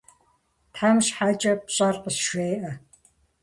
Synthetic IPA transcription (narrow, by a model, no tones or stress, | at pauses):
tʰħamɕħat͡ʃʼɐpɕʼɐrqəsʃʷeːʔɐ